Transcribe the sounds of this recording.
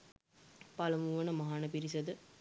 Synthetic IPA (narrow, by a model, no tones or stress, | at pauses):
pɐlɐmuʋɐnɐmɐɦaːnɐpiɾisɐd̪ɯ